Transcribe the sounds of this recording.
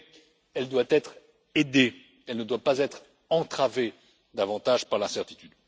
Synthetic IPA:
ɛld̪wat̪ɛt̪χ | ed̪e | ɛlnəd̪wapazɛt̪χ | ɑ̃t̪χave | d̪avɑ̃t̪aʒpaʁlɛ̃sɛʁt̪i̥t̪yd̪

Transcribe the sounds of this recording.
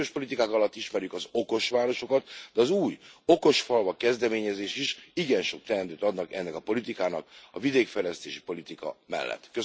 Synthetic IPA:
oʃpo̞lit̪ikaːkɒlɒt̪ːiʃmɛɾjykɒzo̞ko̞ʃʋaːɾo̞ʃo̞kɒt̪d̪ɛɒzuːjo̞ko̞ʃfɒlvɒkɛzd̪ɛmeːɲɛzeːʃiʃiɡɛnʃo̞k̚t̪ɛɾɛnt̪øːt̪ɒd̪nɒkɛnːɛkɒpo̞lit̪ikaːnɒkɒvid̪eːkfɛjlɛst̪eːʃi̥po̞lit̪ikɒ̰mɛ̰lːɛ̰t̪ːkø

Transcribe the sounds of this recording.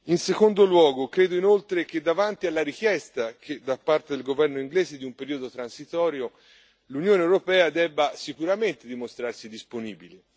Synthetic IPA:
insekond̪olwɔːɡokɾeːd̪oinolt̪ɾek̟ed̪ːavant̪ialːaɾikjɛst̪ak̟ed̪apːart̪ed̪elɡovɛrnoiŋɡlɛːzed̪iumpeɾiːod̪ot̪ɾansit̪ɔːɾjo | lunjoːneewɾopɛːad̪ɛbːasikuɾament̪ed̪imost̪ɾarsid̪isponḭːbile

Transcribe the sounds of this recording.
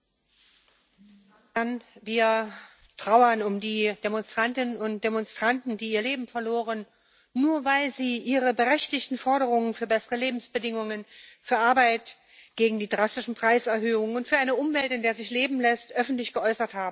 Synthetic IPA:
d̥anviːɐ | tʁ̥aʊɐnʊmdiːd̥emɔnstʁ̥antɪnənʊnt̚d̥emɔnstʁ̥antn̩diːiːɐleːbm̩fɛɐloːʁənː | uːɐvaɪlziːʔiːʁəbəʁɛçtɪçtn̩fɔɐɾəʁ̞ʊŋənfyːɐbɛsəʁəleːbm̩sb̥ədɪŋʊŋənfyːɐʔaɐbaɪt | ɡ̥eːɡŋ̩diːdʁastɪʃn̩pʁ̥aɪsɛɐɦøːʊŋənʊntfyːɐʔaɪnəʔʊmvɛltɪndeːɐzɪçleːbm̩lɛstʔœfn̩tlɪçɡ̥əʔɔʏsɐthaːbm̩

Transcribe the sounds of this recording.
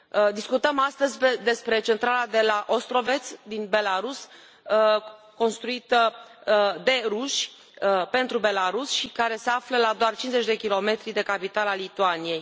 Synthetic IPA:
d̪iskut̪əmast̪əzʲped̪e̞spɾe̞t͡ʃe̞nt̪ɾalad̪e̞laʔost̪ɾo̞ve̞t̪sʲd̪inbe̞laɾus | ko̞nst̪ɾuit̪ə | d̪e̞ɾuʃʲ | əpe̞nt̪ɾube̞laɾusʃikaɾe̞se̞afləlad̪oart͡ʃinzet͡ʃd̪e̞kʲilo̞me̞t̪ɾid̪e̞kapit̪alalit̪uanije̞j

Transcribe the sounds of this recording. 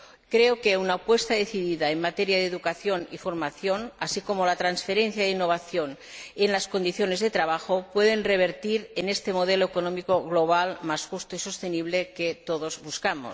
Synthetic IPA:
kɾeokeunapwest̪aðeθiðiðaemmat̪eɾjaðeðukaθjonḭfoɾmaθjonasikomolat̪ɾansfeɾenθjaðinːoβ̞aθjon | enlasko̞nd̪iθjone̞zðet̪ɾaβ̞axopweðenreβ̞eɾt̪iɾenest̪e̞moð̞eloekonomikoɣloβ̞almazxust̪oisost̪eniβleket̪oðozβuskamo̰s

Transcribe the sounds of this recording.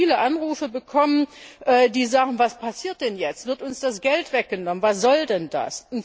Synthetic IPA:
iːləʔanʁuːfəbəkʰɔmənʔɛːdiːzaːɡŋ̩vaspʰasiːɐt̚d̥ɛnjɛt͡stv̥ɪɐtʊnsd̥asɡ̥ɛltv̥ɛk̚ɡ̥ənɔmənvasz̥ɔldɛnda̰sʊnt

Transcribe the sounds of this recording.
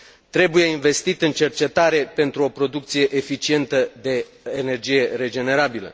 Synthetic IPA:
t̪ɾe̞buje̞inve̞st̪it̪ɨnt͡ʃe̞rt͡ʃe̞t̪aɾe̞pe̞nt̪ɾuo̞pɾo̞d̪uk̚t̪sije̞ʔefit͡ʃie̞nt̪əd̪e̞ː | ne̞rd͡ʒije̞ɾe̞d͡ʒe̞ne̞ɾabilə̰

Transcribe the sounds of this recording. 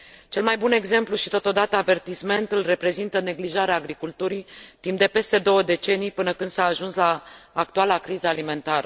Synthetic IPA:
t͡ʃe̞lmajbune̞ɡze̞mpluʃit̪o̞t̪o̞d̪at̪əave̞rt̪isme̞nt̪ulre̞pɾe̞zint̪əne̞ɡliʒaɾeaːɡɾikult̪uɾijt̪imp̚d̪e̞pe̞st̪e̞d̪o̞wəd̪e̞t͡ʃe̞nijpɨnəkɨnd̪saːʒunslaːk̚t̪ualakɾizəalime̞nt̪aɾə

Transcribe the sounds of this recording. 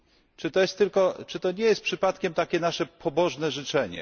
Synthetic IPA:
t͡ʂɘt̪ɔjɛst̪ːɘlkɔt͡ʂɘt̪ɔɲɛjɛst̪pʂɘpat̪kʲɛmt̪akʲɛnaʂɛpʰɔbɔʐnɛʐɘt͡ʂɛɲɛ̰

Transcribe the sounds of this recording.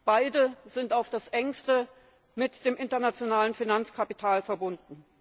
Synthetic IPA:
b̥aɪdəzɪntaʊfd̥asʔɛŋstə | mɪtd̥eːmʔɪntɐnat͡sjonaːlənfinant͡skʰapi̥tʰaːlfɛɐbʊndn̩

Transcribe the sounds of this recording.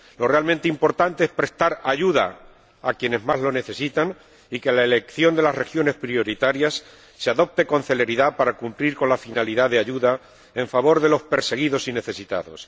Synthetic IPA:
lo̞realmẽnt̪eimpo̞ɾt̪ant̪e̞espɾe̞st̪aɾaʝuða̰ | akje̞ne̞zmazlo̞ne̞θe̞sit̪aŋ | ikelaele̞kθjo̞nd̪e̞lasre̞xjo̞ne̞spɾio̞ɾit̪aɾjasː | eaðo̞p̚t̪e̞ko̞n̟θe̞le̞ɾiðapaɾakumpliɾko̞nlafinaliðaðeaʝuða | e̞ɱfaβo̞ɾðe̞lo̞spe̞ɾse̞ɣ̞iðo̞sine̞θe̞sit̪a̰ðo̞̰s

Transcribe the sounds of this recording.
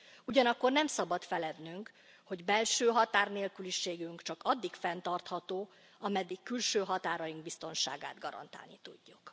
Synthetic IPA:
uɟɒnɒkːo̞rnɛmsɒbɒt̪fɛlɛd̪nyŋk | ho̞ɟbɛlʃøːɦɒt̪aːrneːlkyliʃeːɡyŋkt͡ʃɒkɒd̪ːikfɛnt̪ɒrt̪hɒt̪oː | ɒmɛd̪ːikːylʃøːɦɒt̪aːɾɒjiŋɡbist̪o̞nʃa̰ːɡa̰ːd̪ɡɒɾɒ̰nt̪a̰ːlnit̪uɟːuk

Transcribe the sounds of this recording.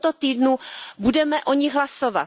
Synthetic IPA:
t̪ot̪iːdnubudɛmɛʔoɲɪɣɦlasova̰

